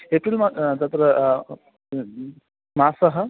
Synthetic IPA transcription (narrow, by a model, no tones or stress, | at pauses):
epɾilmad̪ɐt̪ɾə | maːsɐɦə